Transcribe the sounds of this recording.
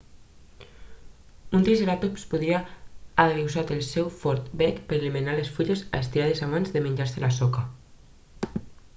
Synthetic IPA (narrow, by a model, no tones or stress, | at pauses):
unt̪iʒeɾat̪upspuðɾiaaðɾiwzat̪elˠsɛwfɔɾt̪bɛkpeɾeliminalesfuʎeza̰est̪iɾað̞ezaβanzðemeɲd͡ʒaɾselasoka